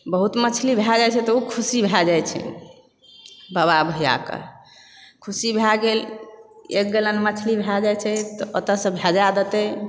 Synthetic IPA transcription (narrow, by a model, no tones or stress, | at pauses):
bəɦut̪mət͡ʃʰlibʱjad͡ʒajt͡ʃʰɛt̪ɔukʰusibʱad͡ʒajt͡ʃʰɛ̰ | baβabʱəja̰kə̰ | kʰusibʱaɡel | ḛk̚ɡelənmət͡ʃʰlibʱad͡ʒajt͡ʃʰɛt̪ɔʔot̪əsə̃bʱad͡ʒad̪et̪e